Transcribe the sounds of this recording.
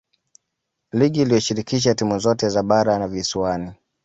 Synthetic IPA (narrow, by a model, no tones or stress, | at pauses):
liɠiːlijɔʃiɾikiʃ̬atimuzɔtɛzaɓaɾanaviswani